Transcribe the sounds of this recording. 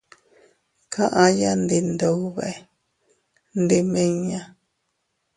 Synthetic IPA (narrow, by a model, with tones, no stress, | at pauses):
kʰã˦ʔã˧ja˦nd̪i˧nd̪o˨u˦βa̰˨e˨ | nd̪i˧mẽ˦ɲã˧